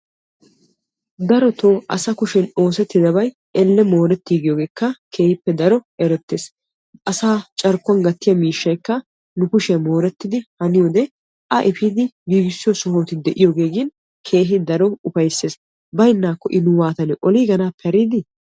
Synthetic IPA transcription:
d̪ɐɾɔt̪oːʔɐsɐkʊʃɛno̞ːsɛt̪ːɪd̪ɐbɐj | ɛlːɛmo̞ːɾɛt̪ːiːɡɪjoːɡe̞ːkːɐkʰe̞ːhɪpːɛd̪ɐɾɔɛɾɛt̪ːeːs | ʔɐsaːt͡ʃʼɐɾkːʊɐnɡɐt̪ːɪjɐmiːʃːɐjkːɐ | nʊkʊʃɛmo̞ːɾɛt̪ːɪd̪ɪhɐnɪjoːd̪ɛ | ʔɐʔɛfiːd̪ɪɡiːɡɪsːɪjɔsʊhoːt̪ɪd̪ɛʔɪjoːɡe̞ːɡɪn | kʰe̞ːɦɪd̪ɐɾɔʊpɐjsːeːs | bɐjnːaːkːɔʔɪnʊwaːt̪ɐnɛʔɔliːɡɐnaːpːɛɐɾiːd̪ɪ

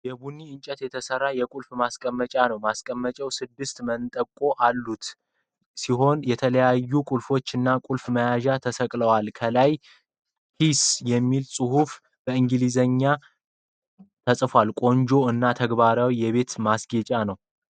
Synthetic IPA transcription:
jɛbunːiɨnt͡ʃʼət̪jɛt̪ʰəsərːajɛkʼulfmaskʼəmːət͡ʃʼanəwmaskʼəmːət͡ʃʼɛwsɨd̪ːɨst̪mənt̪ʼəkʼo̞ʔalːut̪ | siɦo̞njɛt̪ʰələjajːukʷʼulfo̞t͡ʃːɨnːakʼulfməjaʒat̪ʰəsəkʼləwalkʰəlaj | hʰisjɛmːilsʼɨhuf | bəɨŋɡɨlizəɲːa | t̪ʰəsʼfwalkʼo̞ɲd͡ʒo̞ɨnːat̪ʰəɡβaɾawijɛβe̞t̪masɡet͡ʃʼanəw

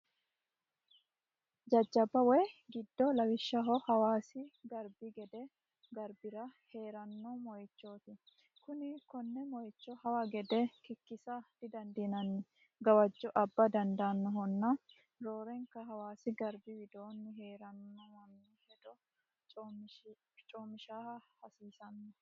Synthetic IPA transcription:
d͡ʒɐd͡ʒːɐbɐwɛɡɪd̪ːɔlɐwɪʃːɐɦɔhɐwaːsɪɡɐɾbiɡɛd̪ɛ | ɡɐɾbɪɾɐhe̞ːɾɐnːɔmɔjɪt͡ʃːoːt̪ɪ | kʊnɪkɔnːɛmɔjɪt͡ʃːɔhɐwaɡɛd̪ɛkɪkːɪsad̪̥ɪd̪ɐnd̪iːnɐnːɪ | ɡɐwɐd͡ʒːɔʔɐbːɐd̪ɐnd̪ɐːnːɔɦɔnːɐ | ɾoːɾɛŋkɐɦɐwaːsɪɡɐɾbɪwɪd̪o̞ːnːɪɦeːɾɐnːɔmɐnːɪhɛd̪ɔ | t͡ʃʼː | t͡ʃʼoːmɪʃaːhɐhɐsiːsɐnːɔ

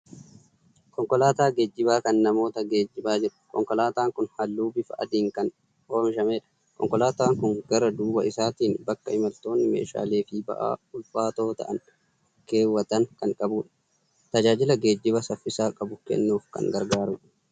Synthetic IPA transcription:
kɔŋkɔlaːt̪aːɡeːd͡ʒːɪbaːkɐnːɐmo̞ːt̪ɐɡe̞ːd͡ʒːɪbaːd͡ʒɪɾʊ̥kɔ̰ŋkɔlaːt̪aːŋkʊnhɐlːuːbɪfɐʔɐ̰d̪iːŋkɐn | oːmɪʃɐmeːᶑɐ̥ | kɔ̰ŋkɔlaːt̪aːŋkʊŋɡ̥ɐɾɐd̪uːbɐɪsaːt̪iːnbɐkːɐɪmɐlt̪o̞ːnːɪmḛːʃa̰ːleːfɪbɐ̰ʔa̰ːʊlfaːt̪oːt̪ɐ̰ʔɐn | ke̞ːwːɐt̪ɐŋkɐŋkʼɐbuːᶑɐ̥ | t̪ɐd͡ʒaːd͡ʒɪlɐɡe̞ːd͡ʒːɪbɐsɐfːɪsaːkʼɐbʊkɛ̰nːuːfkɐ̰ŋɡɐɾɡaːɾuːᶑɐ̥

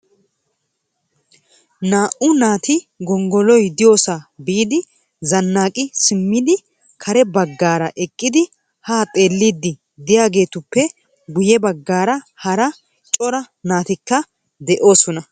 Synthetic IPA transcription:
naːʔʊnaːt̪ɪɡɔŋɡɔlɔjd̪ɪjo̞ːsabiːd̪ɪ | zɐnːaːkʼɪsɪmːɪd̪ɪ | kʰɐɾɛbɐɡːaːɾɐʔɛkʼːɪd̪ɪ | haːt̪ʼe̞ːlːid̪ɪ | d̪ɪjaːɡe̞ːt̪ʊpːɛ | ɡʊjɛbɐɡːaːɾɐ | hɐɾɐ | t͡ʃʼɔɾɐ | naːt̪ɪkːɐ | d̪ɛʔo̞ːsɔnɐ

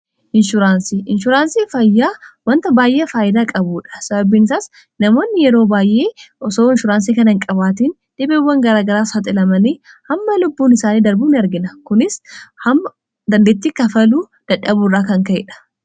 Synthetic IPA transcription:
ʔɪnʃʊɾaːnsiʔɪnʃʊɾaːnsiːfɐjːaːwɐnt̪ɐbaːjʔeːfaːjɪd̪aːkʼɐbuːᶑɐ̥sɐbɐbiːnɪsaːs | nɐmo̞ːnːɪjɛɾoːbaːjʔe̞ːʔɔsoːɪnʃʊɾaːns̬iːkɐnɪŋkʼɐbaːt̪iːn | d̥̪ɪbeːwːɐŋɡɐɾaːɡɐɾaːsɐt̪ʼɪlɐmɐniː | hɐmːɐlʊbːuːnɪsaːniːd̪ɐɾbuːnɐɾɡɪnɐkʊnɪshɐmːɐ | d̪ɐnd̪eːt̪ːiːkɐfɐluː | d̪̥ɐᶑɐbuːrːaːkɐŋkɐʔɛ̰ᶑɐ̥

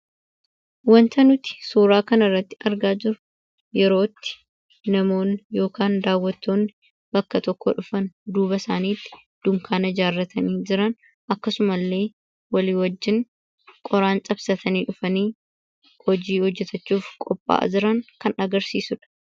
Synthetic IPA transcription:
wɐnt̪ɐnʊt̪ɪ̥suːɾaːkɐnɐrːɐt̪ːɪ̥ʔɐɾɡaːd͡ʒɪɾʊ̥ | jɛɾo̞ːt̪ːɪ̥ | nɐmo̞ːnjo̞ːkaːnd̪aːwːɐt̪ːo̞ːnːɪ | bɐkːɐt̪ɔkʰːo̰ᶑʊfɐnd̪uːbɐsaːniːt̪ːɪ̥ | d̪̥ʊŋkʰaːnɐd͡ʒaːrːɐt̪ʰɐniːd͡ʒɪɾɐn | ʔɐkːɐsʊmɐlːe̞ː | wɐliːwɐd͡ʒːɪŋ | kʼɔɾaːnt͡ʃʼɐbsɐt̪ʰɐniːᶑʊfɐniː | hɔd͡ʒiːhɔd͡ʒːɛt̪ʰɐt͡ʃːuːfkʼɔpʼːa̰ːd͡ʒɪɾɐŋkɐnɐɡɐɾsiːsʊᶑɐ̥

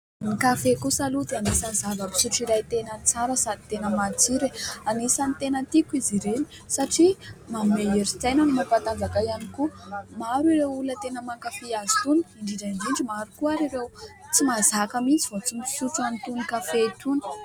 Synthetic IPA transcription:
nikafekusalut̪anisazavəbi̥suʈ͡ʂiɾajt̪enənt͡saɾəsad̪it̪enəmat͡siɾeanisanit̪enət̪ikiziɾeni̥ | saʈ͡ʂimameeɾid͡zajnanimapant̪azakajanikumaɾiɾewulət̪enəmaŋkafiazi̥t̪uniɳɖ͡ʐiɖ͡ʐand͡ʒind͡ʒimaɾukuaɾiɾew | t͡simazakamint͡sivot͡simisuʈ͡ʂuanit̪unikafet̪unə̥

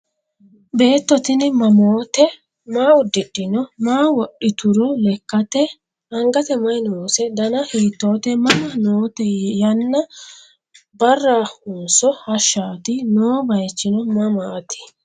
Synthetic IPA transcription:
be̞ːt̪ːɔt̪ɪnmɐmoːt̪ɛ | maːʊd̪ːɪɗːɪnɔmaːwɔɗːɪt̪ʊɾɔlɛkːɐt̪ɛ | ɐŋɡɐt̪ɛmɐjnoːsɛd̪ɐnɐheːt̪ːo̞ːt̪ɛmɐmɐnoːt̪ɛjɐnːɐ | bɐrːaːhʊːsɔhɐʃːaːt̪ɪnoːbɐjt͡ʃːɪnɔmɐmaːt̪ɪ̥

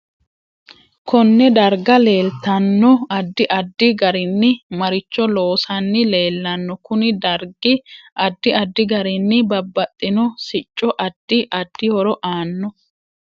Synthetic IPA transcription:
kʰɔnːɛd̪ɐɾɡɐle̞ːlt̪ɐnːɔɐd̪ːɪʔɐd̪ːɪɡɐɾɪnːɪmɐɾɪt͡ʃːɔlo̞ːsɐnːɪle̞ːlːɐnːɔkʊnɪd̪ɐɾɡɪʔɐd̪ːɪɐd̪ːɪɡɐɾɪnːɪbɐbːɐt̪ʼːɪnɔsɪt͡ʃʼːɔʔɐd̪ːɪʔɐd̪ːɪhɔɾɔʔaːnːɔ

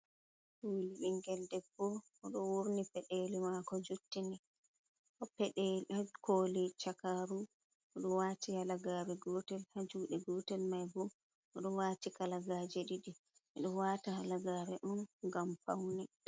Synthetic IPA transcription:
koliɗiŋɡɛldɛbːɔʔɔɗɔwoɾnipɛɗelimakɔd͡ʒutːini | ʔɔpɛɗekoːlit͡ʃakaɾu | ʔɔɗɔwatihalaɡaːɾɛɡɔːtɛlhad͡ʒuɗɛɡɔːtɛlmajbɔ | ʔɔɗɔwaːtikalaɡad͡ʒɛɗiɗiɛɗɔwaːtahalaɡaɾɛʔunɡamfa̰wni

